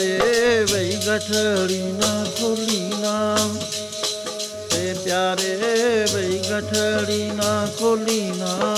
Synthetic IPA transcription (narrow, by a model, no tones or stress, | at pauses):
eʋəiɡəʈʰəɽiːnaːkoːliːnaː | eːpjaːɾeːʋeiɡəʈʰɽiːnãːkoːliːnaː